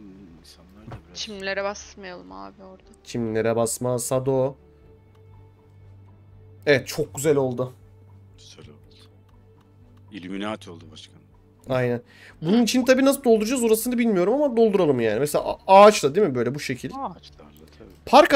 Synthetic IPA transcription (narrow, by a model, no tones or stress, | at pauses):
t͡ʃʰimnlʲeɾɛbasmajalˠɯma̰a̰boɾd̪̥at͡ʃʰimnilʲeɾɛbasmasad̪o | evɛt̪̚t͡ʃʰo̞k̚ɟyzælʲo̞lˠd̪ʊ | salod̪ | ilʲyminaːt̪ʰolˠd̪ubaʃkʰan | ajnæn | bununit͡ʃʰint̪ʰabiːnas̬ɯd̪od̪uɾud͡ʒazoɾasɯnd̪abilʲmijo̞ɾumamad̪o̞lˠd̪uɾalˠɯmjaːnimeselʲa̰aːt͡ʃlˠad̪imibø̞jlʲɛbuʃe̞cʰilʲ | pʰaɾka